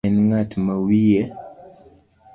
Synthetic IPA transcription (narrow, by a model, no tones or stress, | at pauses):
ɛnŋatmawije